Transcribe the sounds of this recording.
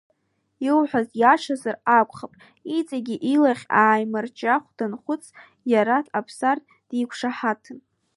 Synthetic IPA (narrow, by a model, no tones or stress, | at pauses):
iwħʷᶣazʼjaʂazarakʷʼχapʼ | it͡sʼaɡʲiʔilaχʲaːjmart͡ʃʼaχʷd̥anχʷʊt͡sʰ | jaɾatʰapʰsartʼ | d̥ikʷʰʂaħatʰɨn